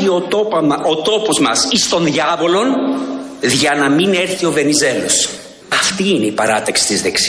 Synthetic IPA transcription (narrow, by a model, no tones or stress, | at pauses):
ioot̪o̞po̞zmɐsist̪o̞nðʝɐvo̞lo̞n | ðʝɐnɐmine̞ɾθio̞ve̞nize̞los | ɐft̪iine̞ipɐɾɐt̪ɐksi̥t̪izðe̞ks